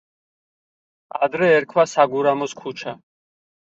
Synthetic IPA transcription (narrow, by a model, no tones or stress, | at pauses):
ad̪ɾɛːɾkʰwasaɡuɾamɔskʰut͡ʃʰa